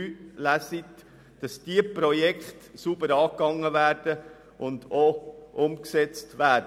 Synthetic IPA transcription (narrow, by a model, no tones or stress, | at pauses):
yːlæsit | d̥ɑsd̥iəpɾɔjɛkχtsubəɾɑːkːɑŋːəvæːɾd̥ə | ʔʊndoʔʊmksɛt͡stʋæːɾdə